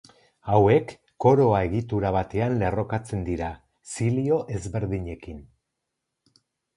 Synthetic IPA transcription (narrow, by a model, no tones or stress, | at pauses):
awe̞kː | o̞ɾo̞ae̞ɣit̪uɾaβ̞at̪e̞anle̞ro̞kat͡se̞nd̪iɾa | silio̞ʔe̞zβe̞ɾðiɲe̞kin